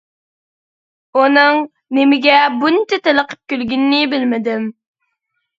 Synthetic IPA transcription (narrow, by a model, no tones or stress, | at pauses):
unɨŋ | nemɪɡʲɛbunt͡ʃɛt̪eləqʰə̥p̚kʲølɡʲynːɪbɪlmɪd̪ɪm